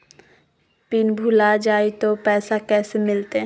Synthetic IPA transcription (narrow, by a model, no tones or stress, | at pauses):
pɪnbʱulad͡ʒaːit̪opɛːsakɛːsemɪlt̪e